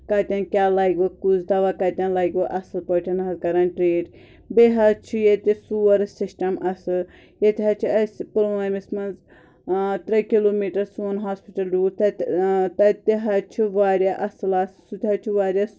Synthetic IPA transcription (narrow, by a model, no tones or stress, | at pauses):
kɐt̪ʲɐnkʲaːlaːiɡʋɐkuzd̪ɐʋakɐt̪ʲɐnlaːɡoʔɐsɨlpɐʈʲʰɐnɐzkɐɾɐnʈɾeːɖ | beɦɐt͡ʃʰijet̪ʲisuːɐɾsisʈɐmɐsɨ | jet̪ʲɦɐt͡ʃʰiɐspɾamismɐnz | t̪ɾɐkiloːmiʈɐɾsuːnɦaːspiʈɐlɾuːt̪ɐt̪ɐt̪iɦɐt͡ʃʰuʋaːɾjaʔɐsɨlɐssut̪ʲɦɐt͡ʃʰuʋaːɾʲjas